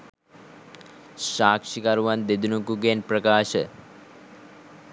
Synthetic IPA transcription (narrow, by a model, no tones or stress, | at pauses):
ʃaːkʂikaɾuʋand̪ed̪unukuɡenprəkaːʃə